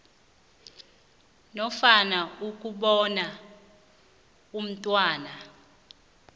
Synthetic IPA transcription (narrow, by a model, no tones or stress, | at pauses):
nɔfanauk̬ʼuɓɔna | um̩tʼwaːna